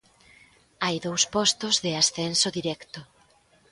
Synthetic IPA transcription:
ajðowspɔst̪ozðɪasθɛnsoðiɾɛkt̪o

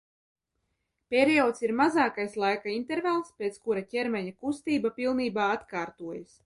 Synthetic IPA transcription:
pʲeɾiɔːt̪siɾmazaːkajslˠajkaint̪ɛɾvalˠspʲet̪skuɾacʲɛɾmʲɛɲakust̪iːbapʲilˠniːbaːat̪kaːɾt̪uɔjas

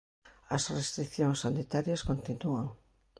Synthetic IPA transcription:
ɐsrest̪ɾikθjoŋsːanit̪aɾjɐskont̪inuaŋ

